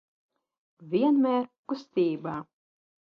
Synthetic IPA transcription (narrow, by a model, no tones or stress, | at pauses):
vʲiɛnmʲɛːɾkust̪ʲiːbaː